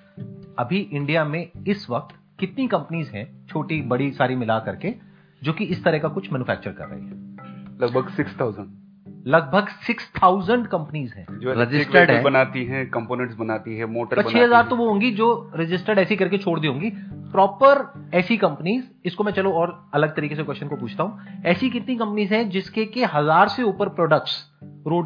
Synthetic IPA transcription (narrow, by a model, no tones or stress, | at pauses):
ɐbʱiʔɪ̃ɳɖijamẽɪsʋɐk̚t̪ | kɪt̪nikɐ̃mpəniːzɦɛ̰̃t͡ʃʰoːʈibɐɽisaːɾimɪlakɐɾke | d͡ʒoːkiɪst̪ɐɾɛɦkakʊt͡ʃʰmɛːnufʰɛːk̚t͡ʃəɾkɐ̰ɾːɐ̰ɦḭɦɛːlɐɡ̚bʱəɡsɪkst̪ʰaːzə̃ɳɖ | lɐɡ̚bʱəɡsɪkst̪ʰaːʊzəɳɖkɐ̃mpəniːzɦɛ̰̃ːd͡ʒoɛɾɪd͡ʒɪsəɾɖɦɛ̃bɐnaːt̪iɦɛ̃kɐ̃mpoːnɛ̃ɳʈsbɐnaːt̪iɦɛ̃moːʈəɾɐbt͡ʃʰeːɦɐzaːɾt̪oʋoɦõːŋɡid͡ʒoːɾɪd͡ʒɪsʈəɖɛːsikɐɾket͡ʃʰoːɽd̪iɦõːŋɡipɾɔːpəɾ | ɛːsikɐ̃mpniːz | ɪskomɛ̃t͡ʃɐloɔːɾ | ɐləɡ̚t̪ɐɾiːkes̬ekwɛst͡ʃənkopuːt͡ʃʰt̪aɦũɛːsikɪt̪nikɐ̃mpniːzɦɛ̃d͡ʒɪskekeɦɐzaːɾseʊpəɾpɾɔːɖək̚ʈss | ɾoːɖ